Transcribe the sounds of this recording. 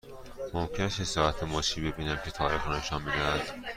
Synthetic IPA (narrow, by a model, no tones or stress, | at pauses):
momcʰenæst̪hesɒːɾæt̪ʰemɒʃiːbe̞biːnæmcʰe̞t̪ʰɒːɾiːxɾɒneʃɒːnbed̪æænd̪̥